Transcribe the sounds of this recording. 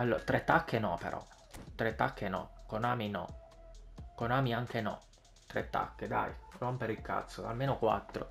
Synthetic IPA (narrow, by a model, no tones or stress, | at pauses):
alːoːɾat̪ɾet̪ːakʰːenɔ̰pḛɾʔɔ̰ | t̪ːɾet̪ːakʰːenɔ̰konaːminɔ̰ | konaːmiaŋkʰenɔ̰ | t̪ɾḛt̪ːa̰kːed̪a̰jrompeɾilkːa̰t̪sːoa̰lmeːnokwa̰t̪ːɾo̰